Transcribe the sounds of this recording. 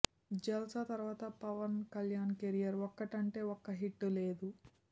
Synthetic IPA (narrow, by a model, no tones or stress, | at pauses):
d͡ʒɐlsɐt̪ɐɾʋaːt̪ɐpɐʋɐnkɐljaːnkeɾijɐɾɔkːɐʈɐɳʈe̞ːɔkːɐɦiʈːule̞ːd̪u